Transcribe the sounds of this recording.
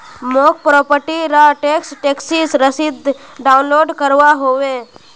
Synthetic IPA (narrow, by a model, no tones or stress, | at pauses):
moːk̚pɾɔːpəɾʈiɾaʈeːksʈeːksiːsɾəsɪd̪ɖaːʊnloːɖkəɾʋaɦoːʋe